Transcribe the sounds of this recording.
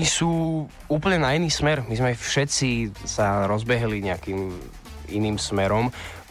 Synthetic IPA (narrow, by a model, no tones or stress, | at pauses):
ɲisuː | uːpl̩ɲɛnainiːsmɛɾmizmɛaɪfʃɛt͡sisaɾɔzbɛɦliɲɛakiːm | ḭniːmsmɛɾɔm